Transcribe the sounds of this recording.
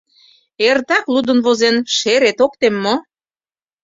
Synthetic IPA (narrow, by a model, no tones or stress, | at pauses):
ert̪ɑklud̪ənβozenʃeɾet̪ok̚t̪emːo